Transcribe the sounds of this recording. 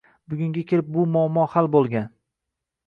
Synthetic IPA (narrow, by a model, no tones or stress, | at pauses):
bʊɡʲʊŋɡʲakʲʰɪɾɪp̚bʊmʊɒamːɒhalbolˠɡʲan